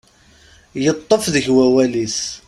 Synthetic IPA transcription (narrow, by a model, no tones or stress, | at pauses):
jət̪ˤːəfðəçwæwæliθ